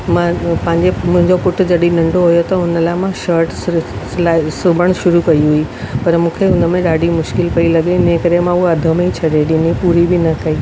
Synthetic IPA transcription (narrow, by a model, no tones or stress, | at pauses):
mãpɐ̃ɦɪ̃ɲd͡ʑemʊ̃ɦɪ̃ɲd͡ʑopʊʈʰd͡ʑɐɗĩnɐ̃ɳɖʱoɦʊjot̪ɐʊnə̆laːɪmãʃəɾʈs | laːɪsʊbʱəɽ̃ʃʊɾukɐiɦʊi | pɐɾmũːkʰeɦʊnə̆mẽɗaːɖʱimʊʃkɪlpɐilɐɠeɪnẽkɐɾemãuɐd̪ʱə̆mẽit͡ɕʰɐɗeɗɪnipuːɾibɪnɐkɐiː